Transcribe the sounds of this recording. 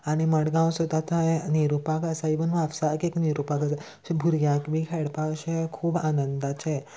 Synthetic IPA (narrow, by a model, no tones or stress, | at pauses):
aɽ̃iməɽɡãw̃sot̪at̪ãniɾupakasaibənʋaʋsakekniɾupakəsa | bʱuɾjakbikʰɛɽpaɕekʰuːbanənd̪at͡ɕe